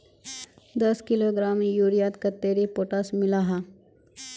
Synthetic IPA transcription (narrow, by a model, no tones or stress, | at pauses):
d̪ɐskɪloɡɾaːmjuɾijat̪kɐt̪ːeːɾipoːʈasmɪlaɦa